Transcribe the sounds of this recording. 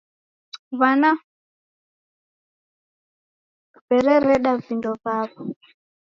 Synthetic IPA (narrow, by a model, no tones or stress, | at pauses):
βana | kubɛɾɛɾɛɗavindɔβaβɔ